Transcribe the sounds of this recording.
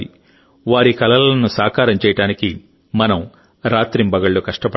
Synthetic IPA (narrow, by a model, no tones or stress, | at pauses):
i | ʋaːɾikɐlɐlɐnusaːkaːɾɐmt͡ʃɛjɐʈaːniki | mɐnɐm | ɾaːt̪ɾimbɐɡɐɭːokɐʂʈɐpɐ